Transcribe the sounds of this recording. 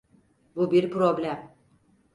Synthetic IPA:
bubiɾpʰɾo̞blʲæm

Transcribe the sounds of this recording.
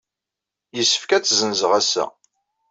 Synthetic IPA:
jəsːə̥fkæt͡sːzənzəʁæsæ̰

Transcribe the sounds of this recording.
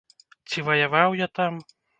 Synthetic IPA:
t͡sʲivɐjavawjat̪am

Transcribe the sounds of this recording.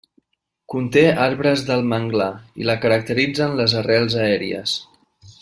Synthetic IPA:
kunt̪eaɾβɾəzðəlˠməŋɡlaḭləkəɾək̚t̪əɾid͡zənləzərɛlˠzəɛɾiə̰s

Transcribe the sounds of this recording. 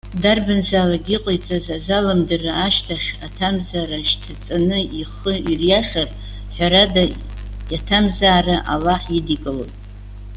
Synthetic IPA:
darbɨnzaːlaɡʲiqʷʼojt͡sʼazazalamdɨraaʃtʰaχʲatʰamzaraʃtʰat͡sʼanɨiχəirjaχʲar | ħʷᶣaɾada | jatʰamzaːraʔa̰laħidikʼɨlo

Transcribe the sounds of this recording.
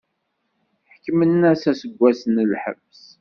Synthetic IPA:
ħəkːmənːæsæsəɡʷːæsənlħə̰vs

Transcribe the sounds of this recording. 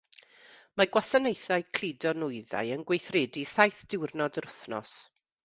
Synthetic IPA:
maɡwasanejθaɨkʰl̥idɔnʊɨða̰jənɡwejθreːdisajθd̥ɪwrnɔdərʊθnɔ̰s

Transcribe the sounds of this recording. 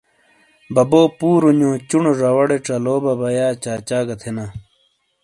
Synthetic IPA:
bɐboːpuːɾuɲõːt͡ɕuɳoʐawɐɽeʈ͡ʂɐloːbɐbɐjaːt͡ɕaːt͡ɕaːɡɐt̪ʰena

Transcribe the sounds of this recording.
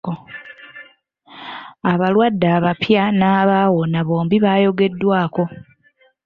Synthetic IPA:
o | aβalwadːaːβapjanaːβawo̞naβo̞ːmbiβaːjo̞ɡe̞dːwaːko̞

